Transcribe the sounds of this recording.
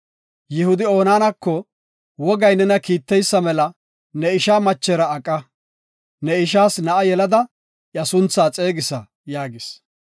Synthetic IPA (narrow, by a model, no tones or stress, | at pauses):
jɪhʊd̪ɪo̞ːnaːnɐkːɔ | wɔɡɐjnɛnɐkiːt̪ːɛjsːɐmɛlɐ | nɛɪʃaːmɐt͡ʃːɛɾɐːkʼːɐ | nɛɪʃaːsnɐʔɐjɛlɐd̪ɐ | ʔjɐsʊnt͡sːaːt͡sʼe̞ːɡɪsɐ | jaːɡɪs